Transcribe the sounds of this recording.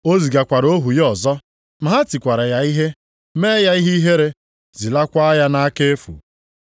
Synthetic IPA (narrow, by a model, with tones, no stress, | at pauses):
o˦zi˨ɡa˨kʷa˨ɾo˦ɦu˨jɔ˨zɔ˦ | m̩˨ɦa˦ti˨kʷa˨ɾa˨ja˨i˦ɦe˦ | me˦ja˦i˦ɦi˦ɦe˦ɾe˦ | zi˨la˦kʷa˦a˦ja˦na˦ke˦fṵ˨